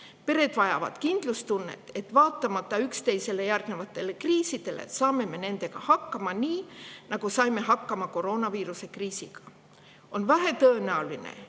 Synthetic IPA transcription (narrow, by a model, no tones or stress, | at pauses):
pe̞ɾe̞t̪vɑjɑ̰vɑ̰t̪kind̪̥lust̪unːe̞̰t̪ːe̞t̪ːvɑːt̪ːɑmɑt̪ːɑykst̪e̞jse̞lːejærɡ̥nevɑt̪ːe̞lːekriːsid̪e̞lḛsɑːme̞me̞ne̞nd̪̥e̞kɑhɑkːɑmɑnʲiːnɑkusɑjme̞ɦɑkːɑmɑko̞ro̞ːnɑviːɾusekriːsḭkɑ̥ | onvæɦæt̪øːnæolinḛ